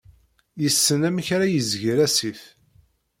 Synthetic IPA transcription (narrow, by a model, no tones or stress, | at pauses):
jəsːənæmçɾajəzʝiɾæsiθ